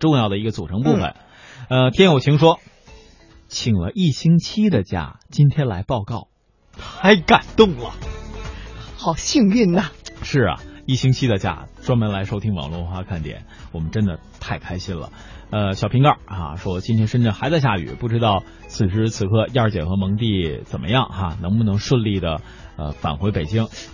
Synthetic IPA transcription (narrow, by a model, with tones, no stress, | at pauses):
ʈ͡ʂʊ˥˧ŋjɑ˥˩ʊd̪ə˩i˧˥ɡə˧t͡su˨˩ʈ͡ʂʰɤ˧˥ŋpu˥˩fə̰˨˩˦n | ə˧t̪ʰjɛ˥njo˨˩ʊt͡ɕʰi˧˥ŋʂwɔ˥ | t͡ɕʰi˨˩ŋlə̰˦ʔi˥˩ɕi˥ŋt͡ɕʰi˥d̪ə˨t͡ɕja̰˥˩t͡ɕi˥nt̪ʰjɛ˥nla˧˥ɪpɑ˥˧ʊkɑ˥˩ʊ | xa˧˥ɪka˨˩nt̪ʊ˥˩ŋlə̰˩ | xɑ˨˩ʊɕi˥˧ŋy˥˩nə˨˩ʂɻ̩˥˩ɐ̰˩i˥˩ɕi˥ŋt͡ɕʰi˥d̪ə˨t͡ɕja̰˥˧˩ʈ͡ʂwɑ˥ŋmə˧˥nla˧˥ɪʂo˥˧ʊi˥ŋwɑ̰˨˩ŋlwɔ˥˩xwa˥kʰa˥˩nt̪jɛ̰˨˩˦nwɔ˨˩mə˦nʈ͡ʂə˥nd̪ə˨ | t̪ʰa˥˩ɪkʰa˥ɪɕi˥nlə̰˨˩ | ə˧ɕjɑ˨˩pʰi˧˥ŋkɑ˞˥˩a̰˧ʂwɔ˥˧˩t͡ɕi˥nt̪ʰjɛ˥nʂə˥nʈ͡ʂə˥˩nxa˧˥ɪt͡sa˥˧ɪɕja˥˩y̰˨˩˦pu˥˩ʈ͡ʂɻ̩˧˥t̪ɑ˥˩ʊ | t͡sʰɹ̩˨˩ʂɻ̩˧˥t͡sʰɹ̩˨˩kʰɤ˥˧i˥ə˞˥˧˩t͡ɕjɛ˨˩xɤ˧˥mɤ˧˥ŋt̪i˥˩t͡sə˨˩nmʔə̰˦jɑ˥˩ŋxa˧nɤ˧˥ŋpu˥˩nɤ˧˥ŋʂwə˥˧nli˥˩d̪ə˩ | ə̰˧fa̰˨˩nxwe˧˥ɪpe˨˩ɪt͡ɕi˥ŋ